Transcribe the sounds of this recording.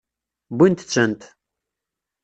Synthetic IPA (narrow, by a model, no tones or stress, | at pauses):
bint̪t͡sːənt̪